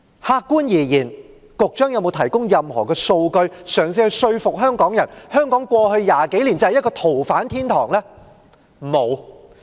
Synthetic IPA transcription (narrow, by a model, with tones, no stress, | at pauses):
haː˧kkːuː˥njiː˨˩jiː˨˩n | kʊ˨k̚t͡ʃœː˥ŋjɐ˧wmo˨˧wt̪ʰɐ˨˩jkʊ˥ŋjɐ˨mhɔː˨˩kɛː˧so˧wkɵ˧ɥsœː˨˩ŋs̬iː˧hɵ˧ɥsɵ˧ɥfʊ˨k̚ɦœː˥ŋkɔː˨˥ŋjɐ˨˩nhœː˥ŋkɔː˨˥ŋkʷwɔː˧hɵ˧ɥjaː˨ke˨˥jliː˨˩nt͡sɐ˧hj̚kɔː˧t̪ʰo˨˩wfaː˨˥nt̪ʰiː˥nt̪ʰɔː˨˩ŋlɛː˥ | mo˨˧w